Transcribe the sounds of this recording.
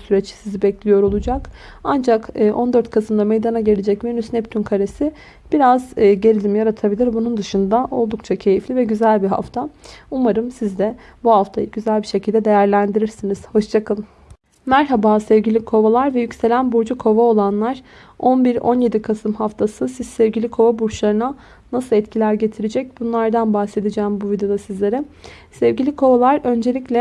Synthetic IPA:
syɾɛt͡ʃsizibɛclʲijo̞ɾo̞lˠud͡ʒak | and͡ʒakɯːʔo̞nd̪ø̞ɾt̪̚kʰasɯmd̪amejd̪anaɟe̞lʲed͡ʒɛcmenysnɛpt̪ʰynkʰaɾesi | b̥iɾazːɟe̞ɾʲilʲimjaɾat̪ʰabilʲiɾbunund̪ɯʃɯnd̪aʔo̞lˠd̪ukt͡ʃʰacʰe̞jiflʲivɛɟyzælʲbiɦa̰ft̪ʰaumaɾɯmsizd̪ɛbuhaft̪ʰajɯɟyzælʲbiʃe̞cʰilʲd̪ɛd̪e̞jæɾlʲænd̪iɾiɾsiniz̥ho̞ʃt͡ʃʰakʰalˠɯm | mæɾɦabaːsɛvɟilʲikʰo̞valˠaɾvɛjycselʲænbuɾd͡ʒukʰo̞vao̞lˠanlˠaɾ̥ | o̞nbiɾo̞̰nje̞d̪ikʰasɯmhaft̪ʰasɯsiz̥sɛvɟilʲikʰo̞vabuɾʃlˠaɾɯna | nasɯlˠɛt̪cʰilʲæɾɟe̞t̪ʰiɾed͡ʒɛc̚bunlˠaɾd̪anbahse̞d̪id͡ʒɛːmbuvid̪eo̞d̪asizlʲe̞ɾɛ | sɛvɟilʲikʰo̞valˠaɾø̞nd͡ʒelʲiclʲɛ

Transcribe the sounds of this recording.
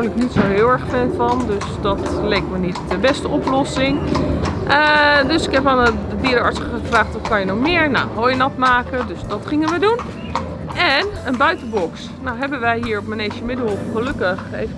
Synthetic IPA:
ləknitsoɦɪːlˠɛɹχfɛnfɑndøsdɑtlejk̚mənitdəbɛstəɔplɔsɪŋ | ədɵsɪkɦɛpanədədiəɾəɑɹtsχəvraːχtɔfkɑnjənɔχmɪːɹnawɦojənɑtmaːkədɵsdɑtχɪŋənʋədun | ɛnənbœɥtəbɔks | nawɦɛbənʋɛjɦiːɹɔp̚mənejʃəmɪdəɔfχəlɵkəχḛjv

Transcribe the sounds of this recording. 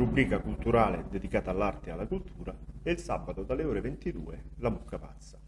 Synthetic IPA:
ɾubɾiːkakult̪uɾaːled̪ed̪ikaːt̪aːlːart̪ealːakult̪ʰuːɾaɛilsa̰bːat̪od̪alːeɔːɾevent̪id̪ṵːelamukːapa̰t̪sːḁ

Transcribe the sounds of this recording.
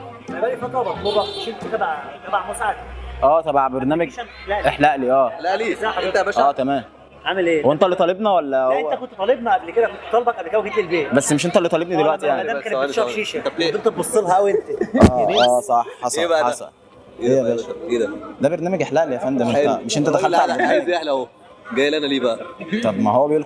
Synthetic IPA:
æbælifɑt̪ˤɑbɑobˤɑmeʃent̪et̪æbaʕt̪æbaʕmosʕad̪ʔæːt̪ˤɑbaʕbeɾnæːmæɡelæʔʔeħlæʔliʔæːlæʔliːsˤɑħet̪æbæʃæːt̪æmæːm | ʕamelʔeːwent̪ælːit̪ˤɑlebnɑwælːæoʔewːæt̪ækont̪ːt̪ˤɑlebnɑʔæblked̪ækont̪et̪ːˤɑlbɑkʕad̪ekæwkent̪elbeːt̪bæsːmeʃ̬ent̪ælːit̪ˤɑlebnid̪elwæʔt̪ijaʕnd̪ækæneʃæfʃiːʃabt̪emt̪et̪bosˤːelɦæʔæwent̪æʔæeæːsˤɑħːɑsˤebæʔɑsˤɑ | ejːæbæed̪æd̪æbeɾnæːmæɡʔeħlæʔlijæfænd̪æmmeʃʔent̪æd̪æxælt̪ʕalææd̪iʔeħlæho | ɡæjelʔænæliːbæʔæt̪ˤɑbmæɦowːæbejul

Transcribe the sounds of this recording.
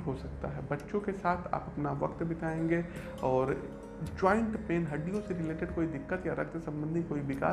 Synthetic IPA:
ɦosɐk̚t̪a̰ɦɛbɐtːʃõkesaːt̪ʰa̰ːpɐpnaʋɐkt̪bɪt̪aːẽːŋɡe | ɔːɾ | d͡ʒɔːɪ̃ɳʈpeːnɦɐɖːijõseɾɪleːʈeɖkoːid̪ɪkːət̪jaɾɐ̰k̚t̪sɐ̃mbə̃nd̪ʱikoːibɪka̰ː

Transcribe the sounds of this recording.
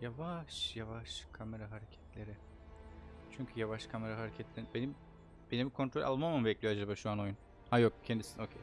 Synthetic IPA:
javaʃjavaʃkʰame̞ɾaɦaɾecʰɛ̥t̪lʲe̞ɾɪ | t͡ʃʰyɲcʰyjavaʃkʰame̞ɾaɦaɾecʰɛt̪lʲeɾinbenim | be̞nimkʰo̞nt̪ɾo̞lʲʔa̰lˠmamumbɛclʲijoad͡ʒabaːʃuano̞jun | hajo̞k̚cʰɛnd̪isino̞cʰej

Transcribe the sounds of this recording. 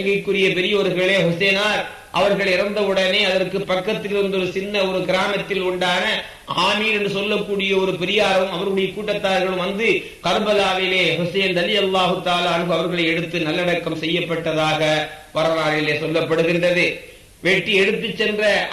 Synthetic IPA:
ŋɡɐkːɯrɪjɐpɛɾɪjɐɔɾɯɣɐɭeːhʊseːnaːɾ | ʔɐʋɐɾɣɐɭɪɾɐnd̪ɐɯɽɐneːɐðɐrkɯpːɐkːɐt̪ːɪlɪɾɯnd̪ɔɾɯsɪnːɐɔɾɯɡɪɾaːmɐt̪ːɪlʊɳɖaːnɐ | aːmiːɾɛndrɯsɔlːɐkːuːɽɪjɐɔɾɯpɛɾɪjaːɾɐɐmɐʋɐɾɯɽɐjɐkuːʈːɐt̪ːaːɾɣɐɭɯmʋɐnd̪ɯ | kɐɾbɐlaːʋɪleːɦʊseːnd̪ɐlɪjɐlːaːɦɯt̪ːaːlaːɐnɣɯɐʋɐɾɣɐɭɐɪɛɽɯt̪ːɯnɐlːɐɽɐkːɐmsɛjːɐpːɐʈːɐðaːɣɐʋɐɾɐlaːlɪleːsɔlːɐpːɐɽɯɣɪndrɐðɯ | ʋɛʈːiɛɽɯt̪ːɯt͡ʃːɛndrɐ

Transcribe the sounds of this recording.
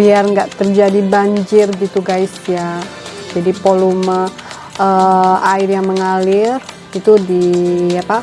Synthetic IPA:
biarŋɡaʔt̪ərd͡ʒadibaɲd͡ʒɪrɡit̪uɡajsjad͡ʒadipolumə | ʔəaɪrjaŋməŋalɪr | it̪udijapa

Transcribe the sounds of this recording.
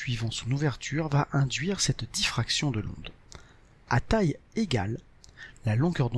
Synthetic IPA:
sɥivɑ̃sɔ̃nuvɛʁt̪ʰyʁvaʔɛ̃d̪ɥiʁsɛt̪d̪ifχaksjɔ̃d̪əlɔ̰̃d̪ | at̪ajeɡa̰lː | alɔ̃ɡœʁd̪ɔ̃

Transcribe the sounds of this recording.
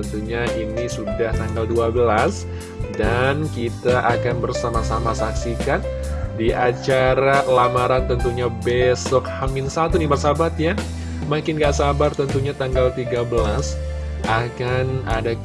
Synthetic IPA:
ənt̪uɲaʔinisudaht̪aŋɡalduabəlas | dankit̪aʔakanbərsamasamasaksikan | diʔat͡ʃaɾalamaɾant̪ənt̪uɲabesɔkhamɪnsat̪unibərsabat̪ja | makɪnɡaʔsabart̪ənt̪uɲat̪aŋɡalt̪iɡabəlas | ʔakanada

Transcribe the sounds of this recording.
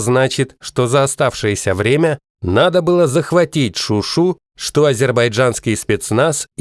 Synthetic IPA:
znat͡ɕɪt̪ʂt̪o̞zəɐst̪afʂɨjəsʲəvɾʲemʲə | nad̪əbɨlˠəzəxvɐtʲitʲʂʊʂu | ʂt̪oɐzʲɪrbɐjʐanskʲɪjspʲet̪snas

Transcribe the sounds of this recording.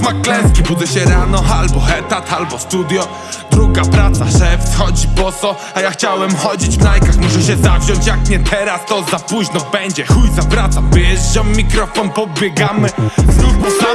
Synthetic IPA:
maklɛ̃skʲibud̪zɛɕɛɾanɔalbɔɛt̪at̪ʰalbɔst̪ud̪jɔ | d̪ɾuɡapɾat̪saʂɛft̪xɔd͡ʑipɔt̪sɔ | ajaxt͡ɕawɛmxɔd͡ʑid͡ʑvnajkaxmuʂɛɕɛzavʑɔɲt͡ɕjakɲɛt̪ʰɛɾast̪ɔzapuʑnɔbɛɲd͡ʑɛxujt̪sapɾat̪sabʲjɛɛʐd͡ʑɔmmʲikɾɔfɔnpɔbʲjɛɡamɘzɾubɔsa

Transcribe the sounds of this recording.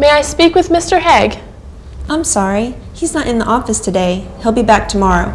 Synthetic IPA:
meɪaɪspikwɨðmɪstə˞hɛɡ | ʔãɪ̃msɑɹi | hiznəɾʔɨ̃nðiʔɔfɨstʰɨdeɪhilˠbibæk̚tʰəmɑɹoʊ

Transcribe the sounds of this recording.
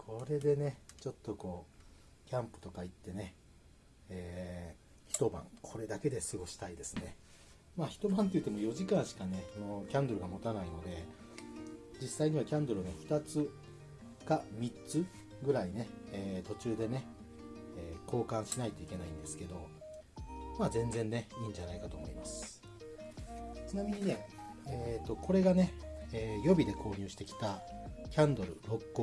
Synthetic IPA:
kʰo̞ɾe̞d̪e̞ne̞t͡ɕo̞t̪ːo̞ko̞ː | kʲãmpɯ̟̥t̪o̞kait̪ːe̞ne̞ | eː | çi̥t̪o̞bã̰ŋkʰo̞ɾe̞d̪ake̞d̪e̞sɨɡo̞ɕi̥t̪aid̪e̞sɨne̞ | maːçi̥t̪o̞bãnt̪e̞jɯ̟t̪ːe̞mojo̞ʑikãɰ̃ɕi̥kane̞ano̞kʲãnd̪oɾɯ̟ɡamo̞t̪anaino̞d̪e̞ | d͡ʑisːaiɲ̟iβakʲãnd̪oɾɯneɸɯ̟̥t̪at͡sɨ | kamʲitt͡sɨ | ɡɯ̟ɾaine̞eːt̪o̞t͡ɕɨːd̪e̞ne̞ | eːko̞ːkãɰ̃ɕinait̪o̞ike̞naĩnd̪e̞sɨ̥ke̞d̪o̞ | maːzẽ̞nd͡zẽ̞nːe̞ĩːɲ̟d͡ʑanaikat̪o̞ːmo̞̰imasɨ̥ | t͡ɕɨnamʲiɲ̟ine̞eːt̪ːo̞ko̞ɾe̞ɡane̞eːjo̞bʲid̪e̞kʰo̞ːɲ̟ɨːɕi̥t̪e̞kʲi̥t̪akʲãnd̪o̞ɾɯ̟ɾo̞kːo

